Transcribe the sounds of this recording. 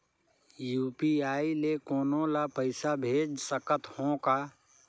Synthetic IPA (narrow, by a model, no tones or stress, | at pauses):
juːpiaːilekoːnõlapəɪsabʱeːd͡ʒsəkət̪hõka